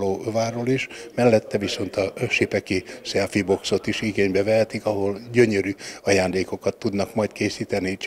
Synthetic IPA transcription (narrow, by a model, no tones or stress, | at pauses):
oːvaːroliʃmɛlːɛt̪ːɛviso̞nt̪ɒʃipɛkisɛlfibo̞kso̞t̪iʃiɡeːɲbɛvɛɦɛt̪ikɒɦo̞lɟøɲøɾyɒjaːnd̪eːko̞kɒt̪ːud̪nɒkmɒjt̪keːsiːt̪ɛnit͡ʃ